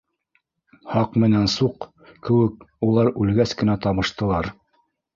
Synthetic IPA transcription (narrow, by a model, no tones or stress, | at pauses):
hɑqmɘ̆nænsuq | kɘ̆wɘkulˠɑɾʉlɡæskɘ̆næt̪ɑβɤ̆ʃt̪ɤ̆lˠɑɾ